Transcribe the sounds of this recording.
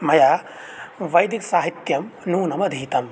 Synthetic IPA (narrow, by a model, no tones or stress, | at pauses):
m̤ɐjaː | ʋɐjd̪iksaːɦit̪jɐmnuːnɐmɐd̪ʱiːt̪ɐm